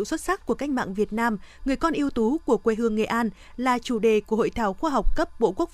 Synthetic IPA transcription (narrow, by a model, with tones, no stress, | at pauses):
swə˦˥t̚sa˦˥k̚kːu˧˩əka˦˥jk̟ma̰ː˧˨ŋvi˨˩ət̚naː˧mŋɨ˨˩əjkɔ˧nʔi˧əwt̪u˨˦ku˧˩əkwe˧˩ɦɨ˨˧˩əŋːḛ˧˨ʔaː˧n | laː˨˩t͡ɕu˧˩ɗe˨˩ku˧˩əɦo̰˧˨jt̪ʰaː˧˩wxwaː˧ɦa˨˩wk͡p̚kə˦˥p̚ɓo̰˧˨ku˦˥ək̚